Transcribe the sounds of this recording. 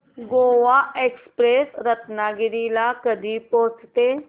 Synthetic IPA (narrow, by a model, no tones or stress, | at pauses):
ɡoːʋaekspɾesɾət̪naɡiɾilakəd̪ʱipoɦt͡st̪e